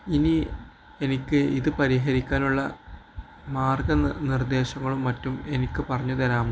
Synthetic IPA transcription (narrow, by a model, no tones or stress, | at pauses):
ini | e̞nikʲːɨiðɨpɐɾiɦɐɾikʲːaːnuɭːɐ | maːrɡɐnird̪e̞ːɕɐŋːɐɭumːɐtːume̞nikʲːɨpɐrɐɲːuðɐnaːm